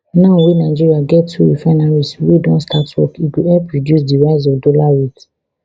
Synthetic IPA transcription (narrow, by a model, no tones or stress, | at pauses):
nãʊ̃wenaɪd͡ʒiɹiaɡɛtːuifanaɹiswedɔ̃nstʰatwɔ̰kiɡuɛpɹɔdjus̬diɹaɪz̬ɔvdolawet